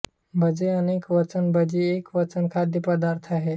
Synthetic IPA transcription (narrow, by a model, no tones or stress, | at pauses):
bʱəd͡zeənekʋət͡sənbʱəd͡ʑiekʋət͡sənkʰad̪jəpəd̪aɾt̪ʰaɦe